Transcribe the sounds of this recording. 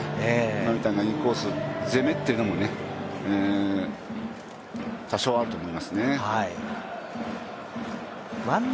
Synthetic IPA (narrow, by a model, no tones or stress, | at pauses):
emamʲit̪ainaɲikoːsɨze̞me̞t̪ːeiɯ̟no̞mone̞ː | t̪aɕoːaɾɯt̪o̞ːmo̞imasɨne̞hai | ma